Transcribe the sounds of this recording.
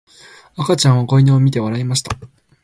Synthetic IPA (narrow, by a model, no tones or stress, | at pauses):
akat͡ɕãɰ̃ako̞ineomʲit̪e̞βaɾaimaɕi̥t̪a